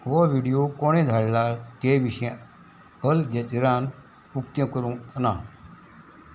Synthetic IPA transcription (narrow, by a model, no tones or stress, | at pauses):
ʋɔʋiɽijokoɽ̃ẽd̪ʱaɽlat̪eʋiɕẽ | əld͡ʑet̪iɾãn | ukt̪jə̃kəɾũna